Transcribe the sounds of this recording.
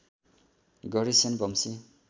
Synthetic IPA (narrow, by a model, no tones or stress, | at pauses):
ɡʌɾisenbʌmsi